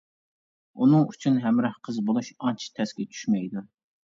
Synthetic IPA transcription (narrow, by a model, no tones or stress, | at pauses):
unɨŋyt͡ʃʰynɦɛmɾɑhqʰəzbolˠuʃɑnt͡ʃʰt̪ʰɛsɡʲɛt͡ʃʰy̥ʃmɛjd̪u